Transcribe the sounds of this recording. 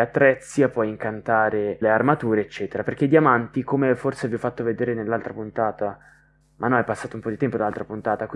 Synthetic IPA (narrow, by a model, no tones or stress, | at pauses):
at̪ːɾɛt̪sːjapɔjiŋkant̪aːɾelearmat̪uːɾeːt͡ʃːɛːt̪eɾaperk̟ed̪iamant̪ikomeforseviɔfːat̪ːoved̪eːɾenelːalt̪ɾapunt̪aːt̪a | mʔanːɔajpasːaːt̪oumpɔd̪it̪ɛmpod̪alalt̪ɾapunt̪aːt̪akwi